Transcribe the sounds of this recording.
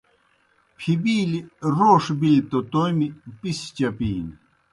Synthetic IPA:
pʰibiːliɾoːʂbilit̪ot̪ojmipist͡ɕɐpiːn

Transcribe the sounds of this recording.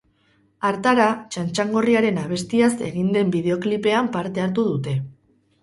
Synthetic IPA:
aɾt̪aɾat͡ʃant͡ʃaŋɡo̞riaɾe̞naβ̞e̞st̪iase̞̰ɣind̪e̞mbið̞e̞o̞klipe̞ampaɾt̪e̞aɾt̪uð̞ut̪e̞

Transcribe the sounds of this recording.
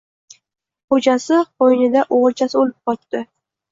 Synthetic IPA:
χod͡ʒasɪqojnɪd̪aʔoʁɨɾˠt͡ʃʰasɪolɪp̚qɒt̪ːɪ

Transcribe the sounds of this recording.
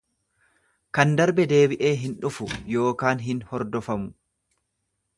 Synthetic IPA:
kɐnd̪ɐɾbɛd̪e̞ːbɪʔe̞ːɦɪnᶑʊfʊjo̞ːkaːnɦɪnhɔɾd̪ɔfɐmʊ

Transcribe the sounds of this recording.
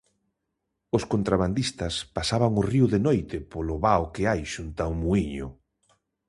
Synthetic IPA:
ʊskont̪ɾaβand̪ist̪ɐspasaβaŋʊriʊðenojt̪ɪpolʊβaokɪajʃunt̪aumuiɲʊ̰

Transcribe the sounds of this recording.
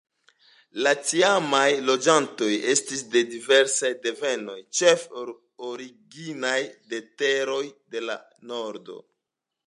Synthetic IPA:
lat͡siamajlo̞d͡ʒanto̞je̞stisde̞dive̞ɾsajde̞ve̞no̞jt͡ʃe̞f | oɾiɡinajde̞te̞ɾo̞jde̞la̰ | no̞ɾdo̞̰

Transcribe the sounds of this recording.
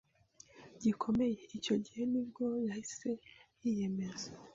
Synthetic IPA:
ɟikʰo̞me̞je̞ico̞ɟihe̞nibɡo̞jahise̞ | ije̞me̞za

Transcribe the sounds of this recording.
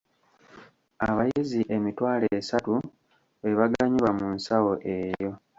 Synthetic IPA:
aβajiziʔe̞mitwaːleːsatu | eβaɡaɲiβamunsawo̞ʔe̞jo̞

